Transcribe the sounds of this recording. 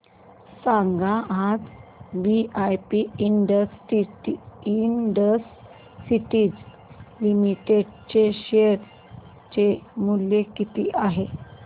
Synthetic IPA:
sãŋɡaad͡zbiajpiːɳɖəsiiinɖəsː | iʈiːd͡z | limiʈeɖt͡ɕeɕeɾ | t͡ɕemuljekit̪iːʔaɦe

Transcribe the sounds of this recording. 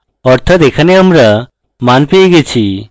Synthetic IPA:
ɔɾt̪ʰat̪ɛkʰanɛəmɾa | manpeɡet͡ʃʰi

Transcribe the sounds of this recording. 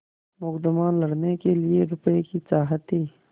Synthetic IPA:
mʊkd̪ɪmaːnlɐɽnekelieɾʊpekit͡saːɦət̪ːiː

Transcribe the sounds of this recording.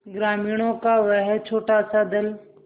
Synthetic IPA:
ɡɾaːmiːɽ̃õkaʋəɦɛt͡ʃʰoːʈasad̪ɪl

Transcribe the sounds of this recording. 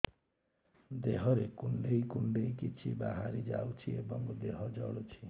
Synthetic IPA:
d̪eɦɔɾekuɳɖejkuɳɖejkit͡ʃʰibaɦaɾid͡ʒa̰wt͡ʃʰiebɔŋɡd̪eɦɔd͡ʒɔɽut͡ʃʰi

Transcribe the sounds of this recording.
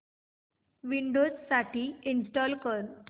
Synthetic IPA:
ʋiɳɖod͡zsaʈiːinsʈɔlkəɾt̪

